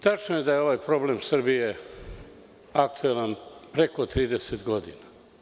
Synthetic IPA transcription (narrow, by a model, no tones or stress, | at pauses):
t̪at͡ʃnojed̪ajeo̞ʋajpɾo̞ble̞msr̩bije | akt̪ʰuelanpɾe̞kot̪ɾiːd̪eset̪ɡo̞d̪ḭna